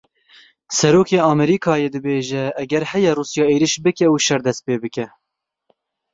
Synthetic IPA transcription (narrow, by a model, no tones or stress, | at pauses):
sɛɾoːkʰeːɑːmɛɾiːkʰɑːjeːd̪ɨbeːʒɛːɡɛɾhɛjɛruːsjɑːeːɾiʃbɨkɛuʃɛɾd̪ɛst̪̚peːbɨkɛ